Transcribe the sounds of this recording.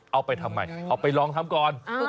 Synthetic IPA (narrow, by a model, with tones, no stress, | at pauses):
ʔa˧wpa˧jt̪ʰa˧mːa̰˧˩jʔa˨˩k̚pa˧jlɔː˧ŋt̪ʰaː˦˥mkɔː˨˩n